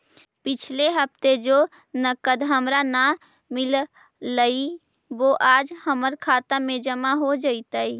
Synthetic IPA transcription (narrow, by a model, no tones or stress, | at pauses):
pɪt͡ʃʰleɦəp̚ʰt̪ed͡ʒo | nəkəd̪ɦəmɾana | mɪl | ləi | ʋoʔaːd͡ʒhəməɾkʰaːt̪amẽd͡ʒəmaɦod͡ʒəit̪əi